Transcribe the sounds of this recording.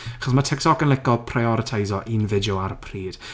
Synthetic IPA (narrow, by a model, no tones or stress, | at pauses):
aχɔs̬matʰɛk̚tʰɔkənlˠɪkɔpʰrajɔɾətʰajzɔʔinvɪdjɔaɾəpʰriːd̥